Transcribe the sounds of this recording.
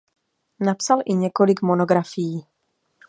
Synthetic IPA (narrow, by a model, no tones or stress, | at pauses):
napsalʔɪɲɛko̞lɪkmo̞no̞ɡɾafɪjiː